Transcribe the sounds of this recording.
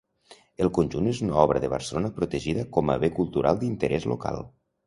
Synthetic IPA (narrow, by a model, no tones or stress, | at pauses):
əlˠkonʲʒunezunaɔβɾəðəβə̰ɾsəlonəpɾut̪əʒiðəkɔmə̰βekulˠt̪uɾʔa̰lˠd̪int̪əɾʔɛzlo̰ka̰lˠ